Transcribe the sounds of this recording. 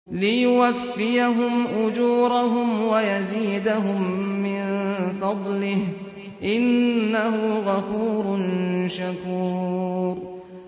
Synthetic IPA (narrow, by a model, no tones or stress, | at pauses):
lɪjʊwafːɪjaɦʊmʔʊd͡ʒuːɾˤaɦʊmwajaziːd̪aɦʊmːɪnfɑd̪ˤlɪh | ʔɪnːaɦʊɣafuːɾʊnʃakuːɾ